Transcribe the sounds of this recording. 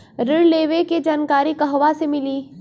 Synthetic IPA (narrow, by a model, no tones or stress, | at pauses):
ɾɪɽleːʋeked͡ʒaːnkaːɾikɐɦʋasemɪliː